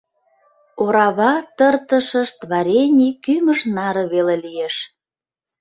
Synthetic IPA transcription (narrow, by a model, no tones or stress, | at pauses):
oɾɑβɑt̪ərt̪əʃəʃt̪βɑɾʲenʲikyməʃnɑɾə̆βelelijeʃ